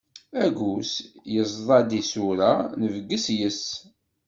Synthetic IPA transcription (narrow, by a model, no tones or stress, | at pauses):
æɡusjəzˤðˤɑd̪isuɾanəvəɡːəsjəs